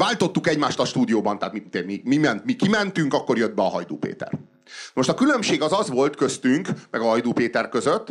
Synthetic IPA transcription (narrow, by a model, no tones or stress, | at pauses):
vaːlt̪o̞t̪ːukɛɟmaːʃt̪ɒʃt̪uːd̪ijoːbɒnt̪aːt̪mit̪emimimɛnt̪mikimɛnt̪yŋkɒkːo̞rjød̪̚bɛɒɦɒjd̪o̰ːpḛːt̪ɛ̰r | nmo̞ʃt̪ɒkylømʃeːɡɒzɒzʋo̞lt̪kø̞st̪yŋkmɛɡɒɦɒjd̪oːpeːt̪ɛrkøzøt̪ː